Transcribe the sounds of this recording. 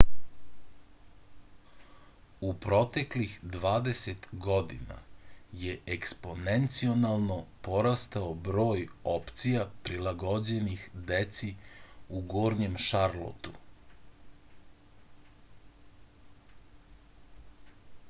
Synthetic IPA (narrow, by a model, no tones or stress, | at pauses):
upɾo̞t̪e̞klixd̪ʋaːd̪e̞set̪ɡo̞d̪ḭna̰jeekspo̞nent̪sio̞nalˠno̞po̞ɾast̪aobɾo̞ːjopt̪sijapɾilaɡod͡ʑe̞nixd̪et̪siuɡoːɾɲemʃaɾlˠo̰t̪u